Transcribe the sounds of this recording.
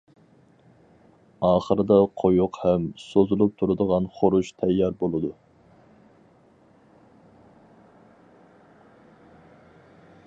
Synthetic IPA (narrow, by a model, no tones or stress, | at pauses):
ɑːχəɾɨd̪ɑqʰojuqhɛmsozulˠup̚t̪ʰuɾɨd̪əʁɑnχoɾuʃt̪ʰɛjːɑɾbolˠɨd̪u